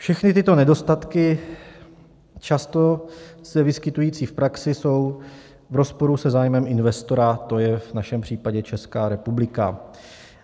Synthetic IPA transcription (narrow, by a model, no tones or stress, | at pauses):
fʃɛxnɪt̪ɪt̪o̞nɛdo̞st̪at̪kɪ | t͡ʃast̪o̞sɛvɪskɪt̪ujiːt͡siːfpɾaksɪso̞w | vɾo̞spo̞ɾusɛzaːjmɛmɪnvɛst̪o̞ɾat̪o̞jɛvnaʃɛmpr̝̥iːpaɟɛt͡ʃɛskaːɾɛpublɪka̰